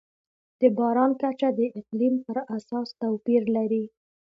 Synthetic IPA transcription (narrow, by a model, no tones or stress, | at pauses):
d̪̥əbɑɾɑnkat͡ʃad̪əʔɪqlimpəɾasɑst̪awpiɾlaɾi